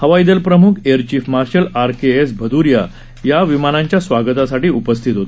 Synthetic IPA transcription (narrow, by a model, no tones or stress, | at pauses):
həʋaid̪əlpɾəmukʰeɾt͡ɕiːfmaɾɕəlaɾkeesbʱəd̪uɾja | jaʋimanãɲt͡ɕjasʋaɡət̪asaʈiːupəst̪ʰit̪ɦot̪